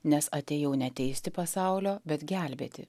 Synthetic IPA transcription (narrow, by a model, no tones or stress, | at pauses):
nʲɛsɐt̪ʲeːjɛʊnʲɛt̪ʲɛɪsʲt̪ʲɪpɐsɑˑʊlʲoːbʲɛt̪ɡʲæˑlʲbʲḛːt̪ʲɪ̰